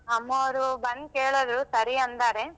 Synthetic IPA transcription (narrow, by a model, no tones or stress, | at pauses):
ɐmːɐʋɐɾubɐnkeːɭɐd̪ɾusɐɾiɐnd̪aːɾe